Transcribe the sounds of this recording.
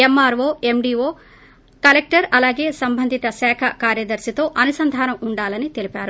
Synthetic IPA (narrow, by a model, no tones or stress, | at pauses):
emːaːɾʋoːe̞mɖiːoː | kɐlek̚ʈɐɾɐlaːɡe̞ːsɐmbʱɐnd̪ʱit̪ɐsɛːkʰɐkaːɾjɐd̪ɐɾsit̪o̞ːʔɐnusɐnd̪ʱaːnɐmuɳɖaːlɐnit̪e̞lipaːɾu